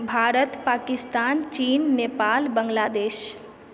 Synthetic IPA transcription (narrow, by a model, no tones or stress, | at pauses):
bʱaːɾət̪paːkɪst̪aːnt͡ʃiːnːepaːlbəŋɡlaːd̪eːʃ